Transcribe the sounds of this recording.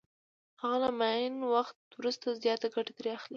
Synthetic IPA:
haɣalamajɪnwaxt̪̚wɾust̪azjɑt̪aɡaʈat̪ɾeaxli

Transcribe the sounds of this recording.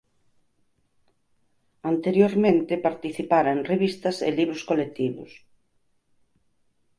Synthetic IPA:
ant̪eɾjoɾmẽnt̪ɪpaɾt̪iθipaɾɐenreβist̪ɐsḛliβɾʊskolek̚t̪iβʊ̰s

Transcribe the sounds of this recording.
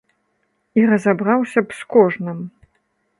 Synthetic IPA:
iɾɐzabɾawsʲɐpskɔʐnɨm

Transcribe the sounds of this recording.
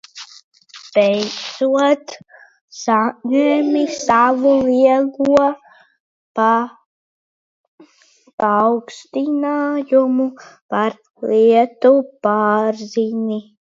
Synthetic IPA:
b̥ɛjd̪zuɔt̪ | saɲemisavuliɛɡuɔ | pa | pawkst̪inaːjumupaɾ | liɛt̪upaːɾziɲi

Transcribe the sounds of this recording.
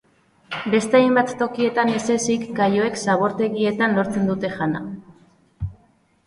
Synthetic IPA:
be̞st̪eajmbat̪ːo̞kie̞t̪anese̞sikɡajo̞e̞ksaβ̞o̞ɾt̪e̞ɣie̞t̪anlo̞ɾt͡se̞nd̪ut̪e̞ʝana̰

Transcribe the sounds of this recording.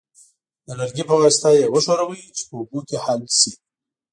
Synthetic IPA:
d̪əlaɾɡipəɣast̪ajewəʃoɾawəjit͡ʃe̥pəubukʲehalsi

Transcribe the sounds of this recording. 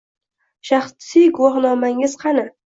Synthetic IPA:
ʃaχsijɡʊwɒχnɒmaŋɪzqʰɑna

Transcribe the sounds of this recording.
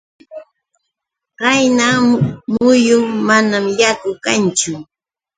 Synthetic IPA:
ɢajnamʊjʊmanamjakʊkant͡ʃʊ

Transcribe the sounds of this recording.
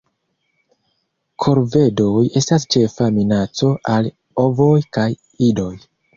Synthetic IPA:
kʰo̞ɾve̞do̞je̞stast͡ʃe̞faminat͡so̞ʔal | o̞vo̞jkaj | ido̞j

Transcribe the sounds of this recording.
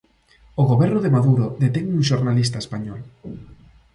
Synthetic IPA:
oɣoβɛɾnʊðemaðuɾoðet̪ɛŋuŋʃoɾnalis̬t̪aespaɲɔl

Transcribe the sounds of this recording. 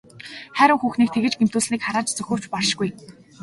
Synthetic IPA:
χæɾʲɪ̆ŋxuːxniːk̚t̪ʰeɣɘ̆t͡ɕɡem̥t̪uːsniːkχaɾaːt͡ɕt͡sɵxʲɵ̆ːr̥t͡ɕparʃɡuj

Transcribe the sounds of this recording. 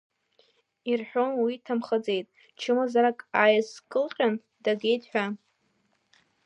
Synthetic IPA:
irħʷᶣo̞nwitʰamχad͡ze̞jtʼ | t͡ʃʰɨmazaɾakʼajskʼɨlqʲʼan | d̥aɡʲe̞jtʰʼħʷᶣa

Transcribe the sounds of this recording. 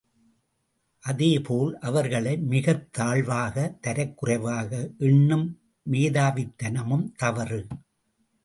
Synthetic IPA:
ʔɐðeːpʰoːlʔɐʋɐɾɣɐɭɐɪmɪɣɐt̪ːaːɭʋaːɣɐt̪ɐɾɐɪkːɯrɐɪʋaːɣɐʔɛɳːɯmː | eːðaːʋɪt̪ːɐnɐmɯmt̪ɐʋɐrɯ

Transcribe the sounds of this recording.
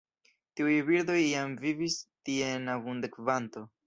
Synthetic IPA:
tiujbiɾd̪o̞jamvivistie̞navund̪ekvanto̞

